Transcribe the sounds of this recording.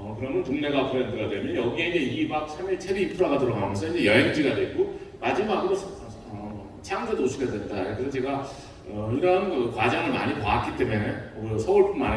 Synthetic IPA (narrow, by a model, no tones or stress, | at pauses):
ʌkɯɾʌmjʌntoŋne̞ɡakɯɾʌɦʌndɯɾadwe̞mjʌnjʌɡie̞ind͡ʑeiɡibak̚sʰamiɭt͡ɕʰebiːpʰuɾaɡadoɾaɡaomjʌnsʰʌind͡ʑe̞jʌɦeŋd͡ʑiɡadwek͈omad͡ʑimaɡudo | ʌ | t͡ɕʰeaŋsʰedouɕʰiɡadwett͈ajekɯʌt͡ɕe̞ɡa | ʌiɾʌnkɯkwad͡ʑaŋɯɭma̰ɲipaat̚k͈it͈e̞menekɯsʰʌuɭp͈unmane